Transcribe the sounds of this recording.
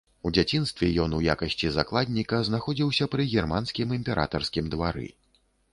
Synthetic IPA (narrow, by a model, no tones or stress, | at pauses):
ud͡zʲat͡sʲinst̪vʲɛjɔnuja̰kɐsʲt͡sʲizaklˠad̪ʲnʲikɐznaxɔd͡zʲiwsʲɐpɾɨɣʲɛrmanskʲimimʲpʲɛɾʔa̰t̪ɐrskʲimd̪vaɾɨ̰